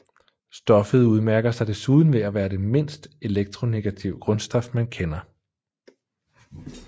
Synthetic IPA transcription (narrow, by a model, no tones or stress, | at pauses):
sd̥ɒ̽fəð̞̩ˠuð̞ˠmæɐɡ̥ɐsɑ̈ɪd̥e̝suð̞ˠn̩ʋe̝æʋæːɐd̥e̝me̝n̰sd̥əe̝leɡ̥̚t͡sʰʁo̝ne̝ɡ̥æt͡sʰiʊɡ̥ʁɔ̽nsd̥ɒ̽fmænkʰenɐ